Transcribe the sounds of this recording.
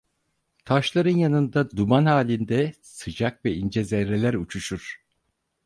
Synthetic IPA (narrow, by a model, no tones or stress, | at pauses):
t̪ʰaʃlˠaɾɯnjanɯnd̪ad̪umanhaːlʲind̪ɛ | sɯd͡ʒakvɛind͡ʒɛzɛɾelʲæɾut͡ʃʰuʃuɾ̥